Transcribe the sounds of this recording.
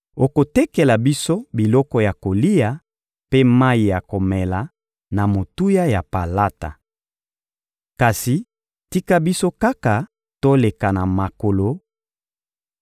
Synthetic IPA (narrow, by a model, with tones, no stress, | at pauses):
o˨ko˨tɛ˦kɛ˨la˨bi˦so˦bi˨lɔ˦kɔ˦ja˨ko˨li˦ja˨ | pe˦ma˦i˨ja˨ko˨mɛ˨la˨ | na˨mo˨tu˦ja˦ja˨pa˨la˦ta̰˨ | ka˨si˨ | ti˦ka˦bi˦so˦ka˦ka˨ | to˦le˨ka˨na˨ma˨ko˨lo˨